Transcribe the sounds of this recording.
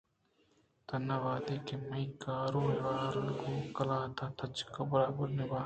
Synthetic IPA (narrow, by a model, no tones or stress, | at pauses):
t̪ɐnːaʋaːd̪eːkemɐikaːɾoːɦeʋaːɾəɽɡoːkɐlaːt̪ʰaːt̪ʰɐt͡ʃkɐbɐɾaːbəɾnɪbaː